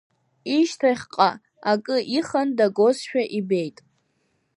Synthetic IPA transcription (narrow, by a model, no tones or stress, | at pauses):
iʃtʰaχʲqʼa | akʼɨʔiχandaɡozʃᶣaʔibe̞jtʼ